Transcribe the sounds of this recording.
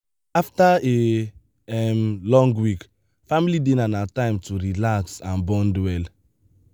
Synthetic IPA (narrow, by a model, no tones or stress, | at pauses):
aftae | ɛmlɔ̃ŋɡwik | familidenanatãɪ̃mtʰuɾilaksãnbɔ̃ndwɛl